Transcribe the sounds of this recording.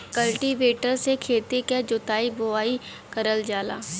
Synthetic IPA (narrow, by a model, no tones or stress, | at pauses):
kəlʈiʋeːʈəɾsekʰeːt̪eked͡ʒʊt̪aːibʊaːi | kəɾəld͡ʒaːla̰ː